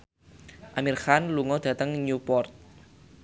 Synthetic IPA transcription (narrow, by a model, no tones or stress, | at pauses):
ʔamirxanluŋɔd̥ä̤t̪əŋɲupɔrt̪̚